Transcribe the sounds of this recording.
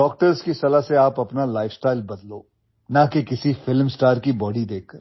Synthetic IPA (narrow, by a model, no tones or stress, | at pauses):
ɖɔːk̚ʈəɾzkisɐlaseaːpɐpnalaːɪfsʈaːɪlbɐd̪loː | nɐkekɪsifɪlmsʈaːɾkibɔːɽid̪eːkʰkːɐɾ